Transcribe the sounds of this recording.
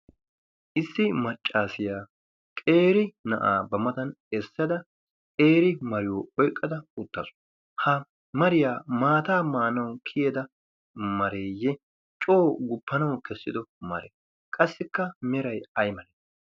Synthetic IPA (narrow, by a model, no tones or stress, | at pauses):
ʔɪsːɪmɐt͡ʃʼːaːsɪjaː | kʼe̞ːɾɪnɐ̰ʔa̰ːbɐmɐt̪ɐnɛsːɐd̪ɐ | kʼe̞ːɾɪmɐɾɪjoʔɔjkʼːɐd̪ɐʊt̪ːɐsʊ̥ | hɐ | mɐɾɪjaːmaːt̪aːmaːnɐwkʰɪjɛd̪ɐ | mɐɾeːjːɛ | t͡ʃʼoːɡʊpːɐnɐwkɛsːɪd̪ɔmɐ̰ɾɛ̰ | kʼɐsːɪkːɐmɛɾɐjɐjmɐɾɛ